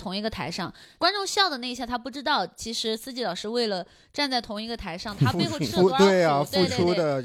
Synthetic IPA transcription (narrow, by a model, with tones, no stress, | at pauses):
t̪ʰʊ˧˥ŋi˧˥ɡə˧t̪ʰa˧˥ɪʂɑ˥˩ŋkwa˥nʈ͡ʂʊ˥˧ŋɕjɑ˥˩ʊd̪ə˩na˥˧ɪ˧ɕjɑ˥˩t̪ʰa˥pu˥˩ʈ͡ʂɻ̩˥t̪ɑ˥˩ʊt͡ɕʰi˧˥ʂɻ̩˧˥sɹ̩˥t͡ɕi˧˥lɑ˨˩ʊʂɻ̩˥˧we˥˩ɪlə˩ | ʈ͡ʂa˥˧nt͡sa˥˩ɪt̪ʰʊ˧˥ŋi˧˥ɡə˧t̪ʰa˧˥ɪʂɑ˥˩ŋt̪a˥pe˥˧xu˥t̪we˥˩ɪa˨˩˧fu˥˩˧ʈ͡ʂʰu˥d̪ə˨